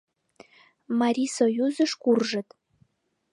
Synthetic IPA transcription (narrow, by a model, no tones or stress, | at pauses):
mɑɾʲisojuzə̆ʃkurʒə̆t̪